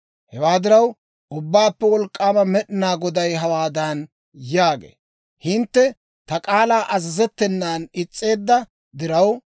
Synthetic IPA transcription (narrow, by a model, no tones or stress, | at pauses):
hɛwaːd̪ɪɾɐw | ʔʊbːaːpːɛwɔlkʼːaːmɐmɛɗɪnaːɡɔd̪ɐjɦɐwaːd̪ɐn | jaːɡḛː | hɪnt̪ːɛ | t̪ɐkʼaːlaːʔɐzɐzɛt̪ːɛnːaːnɪt͡sʼːe̞ːd̪ːɐ | d̪ɪɾɐw